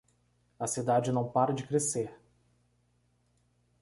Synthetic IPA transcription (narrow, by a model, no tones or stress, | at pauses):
ɐsid̪ad͡ʒɪnɐ̃w̃paɾɐd͡ʒɪkɾeseɾ